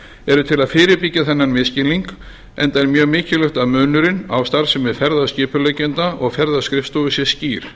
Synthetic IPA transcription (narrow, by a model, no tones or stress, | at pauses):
ɛɾʏt̪ʰɪlaðfɪːɾɪɾpɪcːaθɛnːanmɪðscɪliŋk | ɛ̰nt̪ajɾmjœːɣmɪːcɪlʏxt̪aðmœːnʏɾɪna̰wst̪aɾ̥sɛmvɛðfɛɾðascɪːpʏlœɥcɪnt̪aʔɔɣfɛɾðaskɾɪft̪ɔɣʏsjɛsciːɾ̥